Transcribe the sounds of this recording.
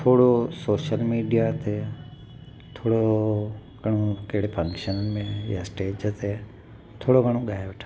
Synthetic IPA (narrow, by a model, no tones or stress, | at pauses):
t̪ʰoːɽosoːʃəlmiːɖijat̪ʰe | t̪ʰoːɽo | ɡʱɐɽ̤̃õkɐɦɪɽefʰɐ̃ŋkʃənənɪ̆mẽjasʈeːd͡ʒt̪ʰe | t̪ʰoːɽoɡʱɐɽ̃õɠaːɦeʋeʈʰḁ